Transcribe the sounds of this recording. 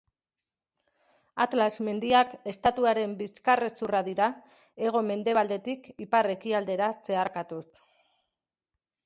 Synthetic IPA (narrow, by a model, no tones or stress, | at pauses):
at̪lazme̞nd̪iake̞st̪at̪uaɾe̞mbiskaret͡suraðiɾa | e̞ɣ̞o̞me̞nd̪e̞β̞ald̪e̞t̪ikipare̞kiald̪e̞ɾat͡se̞aɾkat̪us